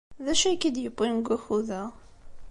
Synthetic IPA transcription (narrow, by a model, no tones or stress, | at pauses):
ðæʃækːid̪jəpːinɡʷæxuðæ